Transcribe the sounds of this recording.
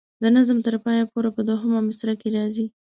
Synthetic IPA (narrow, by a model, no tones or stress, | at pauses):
d̪ənazmt̪əɾpɑjapoɾapəd̪oɦəmamɪsɾakeɾɑzi